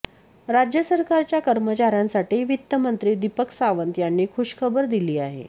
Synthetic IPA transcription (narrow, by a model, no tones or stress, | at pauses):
ɾad͡ʑjəsəɾkaɾt͡ɕjakəɾmət͡ɕaɾjãnsaʈiːʋit̪ːəmənt̪ɾiːd̪ipəksaʋənt̪janːiːkʰuɕkʰəbəɾd̪iliːaɦḛ